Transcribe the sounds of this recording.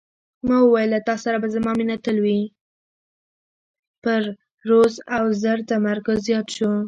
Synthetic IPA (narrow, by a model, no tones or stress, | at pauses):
mɑwəwajlat̪ɑsaɾabazamɑminat̪əlwi | pəɾː | ozawzəɾt̪amaɾkʊzjɑt̪ʃu